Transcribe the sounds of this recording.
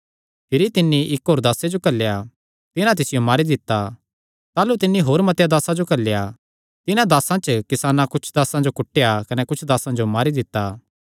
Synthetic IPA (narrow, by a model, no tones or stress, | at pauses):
pʰɪɾit̪ɪnːiʔɪkɦoːɾd̪aːsed͡ʒokɐlːeja | t̪ɪnãt̪̬ɪsɪjomaːɾid̪ɪt̪ːa | t̪aːlut̪ɪnːiɦoːɾmɐt̪jad̪aːsad͡ʒokɐlːja | t̪ɪnãd̪aːsãt͡ʃkɪsaːnãkʊt͡ʃʰd̪aːsãd͡ʒokʊʈːejakɐnɛkʊt͡ʃʰd̪aːsãd͡ʒomaːɾid̪ɪt̪ːa